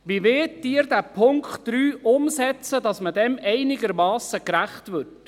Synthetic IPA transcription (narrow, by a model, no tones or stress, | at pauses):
ʋiʋɪtdiːəɾdæpʰʊŋkχtd̥ɾyːʔʊmsɛt͡səd̥ɑsmədɛmɛɪnɪɡəɾmɑːsəkɾæχtʋʏɾt